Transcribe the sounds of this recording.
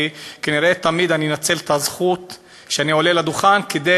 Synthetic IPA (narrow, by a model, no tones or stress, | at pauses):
ikaniɾet̪amid̪aninat͡se̞lt̪azχut̪ | ʃeanio̞lelad̪uχanked̪e